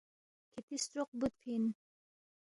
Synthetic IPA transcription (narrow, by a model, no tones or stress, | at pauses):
kʰet̪ist̪ɾoq̚but̪fʰin